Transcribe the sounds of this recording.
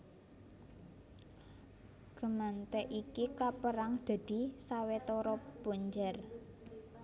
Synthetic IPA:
ɡ̥ə̤mant̪ɛʔikikapəɾaŋd̪̥a̤d̪̥i̤sawet̪ɔɾɔb̥o̤ɲd͡ʒar

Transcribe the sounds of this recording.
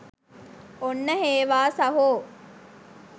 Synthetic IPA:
onːəɦeːʋaːsɐɦoː

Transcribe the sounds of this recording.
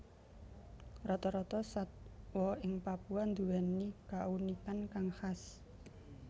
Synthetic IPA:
rɔt̪ɔɾɔt̪ɔsat̪̚wɔɪŋpapuand̪ṳwɛnikaunikankaŋhas

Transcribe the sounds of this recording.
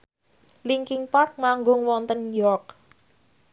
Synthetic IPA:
liŋkɪŋpark̚maŋɡʊŋwɔnt̪ənjɔk̚

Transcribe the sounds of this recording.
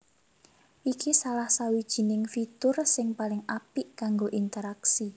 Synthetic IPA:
ʔikisalahsawid̥ʒ̥i̤nɪŋfit̪ʊrsɪŋpalɪŋapiʔkaŋɡoʔint̪əɾaksi

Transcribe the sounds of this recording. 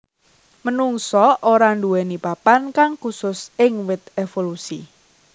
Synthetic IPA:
mənuŋsɔʔoɾanduwɛnipapankaŋkusʊsɪŋwɪt̪̚efolusḭ

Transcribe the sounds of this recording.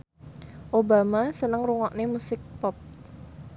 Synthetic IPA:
ʔobamasənəŋruŋɔʔnemusɪk̚pɔp̚

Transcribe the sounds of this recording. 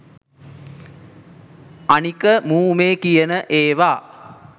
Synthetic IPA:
anikəmuːmeːkijənəʔeːʋaː

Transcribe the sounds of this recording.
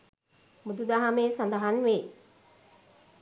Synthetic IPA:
mud̪ud̪aɦameːsand̪ɐɦanʋeː

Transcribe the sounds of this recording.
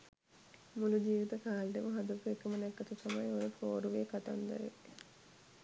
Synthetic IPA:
mulud͡ʒiːʋit̪ɐkaːlɖeməɦɐd̪ɐkuekɐmənɛkːɐt̪uk̪ɐmɐjoɾepʰoːɾuʋeəkat̪ɐ̰nd̪ɐ̰ɾḛ

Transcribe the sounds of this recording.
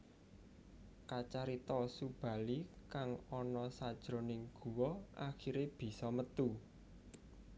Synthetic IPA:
kat͡ʃaɾit̪ɔsub̥ä̤likaŋɔnɔsad̥ʒ̥ɾo̤nɪŋɡ̥ṳwɔʔaxiɾeb̥i̤sɔmət̪u

